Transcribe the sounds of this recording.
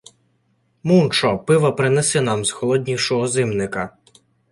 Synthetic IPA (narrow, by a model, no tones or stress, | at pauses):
munt͡ʃɔpɪʋɐpɾɪnɛsɛnɑmzxɔlˠɔd̪ʲnʲiwʃɔɦɔzɪmnɪkɐ